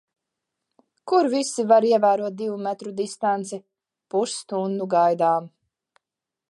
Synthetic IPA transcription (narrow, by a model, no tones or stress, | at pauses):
kuɾvisivaɾiɛvæːɾuɔt̪̚d̪ivumɛt̪ɾud̪ist̪ant̪sɛ | pust̪und̪uɡajd̪aːm